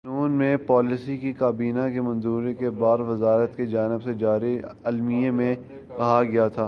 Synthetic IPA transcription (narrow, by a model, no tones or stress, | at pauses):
nuːnmẽpɔːlɪsikikaːbiːnakemɐ̃nzuːɾekebaːɾʋɐzaːɾət̪ked͡ʒaːnɪbsed͡ʒaːɾiɐlmiemẽ | kɐɦaɡɐjat̪ʰaː